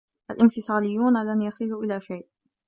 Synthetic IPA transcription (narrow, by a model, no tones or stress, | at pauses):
ʔa̰lʔɪnfɨsˤɑːlɪjːuːnalanjɑsˤɨluːʔɪlaːʃajʔ